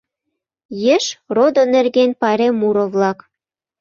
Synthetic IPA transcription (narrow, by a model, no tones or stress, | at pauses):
jĕʃrod̪onĕrɣenpɑɾemuɾoβlɑk